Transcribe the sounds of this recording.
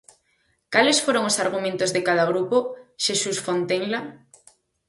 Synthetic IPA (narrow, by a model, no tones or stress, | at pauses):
kalesfoɾoŋosaɾɣ̞umẽnt̪ozðekað̞aɣ̞ɾupoʃesusfont̪eŋla